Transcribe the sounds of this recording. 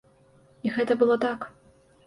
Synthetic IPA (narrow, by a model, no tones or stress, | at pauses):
iɣɛt̪ɐbɨlˠɔt̪ak